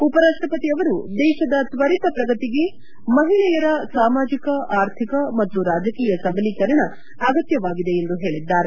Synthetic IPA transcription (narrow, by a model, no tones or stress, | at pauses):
upɐɾaːʂʈɾɐpɐt̪iɐʋɐɾud̪ɛːʃɐd̪ɐt̪ʋɐɾit̪ɐpɾɐɡɐt̪iɡe̞ | mɐɦiɭɛjɐɾɐsaːmaːd͡ʒikɐaːɾt̪ʰikɐmɐt̪ːuɾaːd͡ʒɐkiːjɐsɐbɐlikɐɾɐɳɐː | ɡɐt̪jɐʋaːɡid̪e̞end̪uɦe̞ːɭid̪ːaːɾe